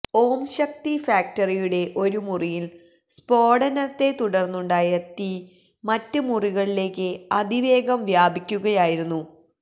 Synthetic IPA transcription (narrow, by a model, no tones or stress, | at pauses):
o̞ːmɕɐk̚t̪ifaːk̚tɐrijuɽe̞ʔo̞ɾumurijil | spo̞ːɽɐnɐt̪ːe̞t̪uɽɐrnːuɳɖaːjɐt̪i | mɐtːɨmuriɣɐɭile̞ːkːɨɐd̪iʋe̞ːɡɐmʋjaːbikʲːuɣɐjaːjiɾunːu